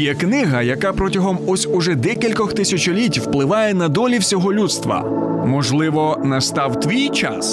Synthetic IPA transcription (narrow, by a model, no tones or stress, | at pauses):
jɛknɪɦɐjɐkɑpɾɔtʲɐɦɔmɔsʲʊʒɛd̪ɛkʲilʲkɔxt̪ɪsʲɐt͡ʃɔlʲitʲwplˠɪʋɑjɛnɐd̪ɔlʲiwsʲɔɦɔlʲut̪st̪ʋɐ̰ | mɔʒlˠɪʋɔnɐst̪ɑwt̪ʋʲijt͡ʃa̰s